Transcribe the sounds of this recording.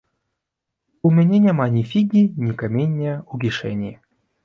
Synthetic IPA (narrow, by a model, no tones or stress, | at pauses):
umʲenʲenʲɛmanʲifʲiɡʲinʲikamʲenʲːɛuɡʲiʂɛ̰nʲi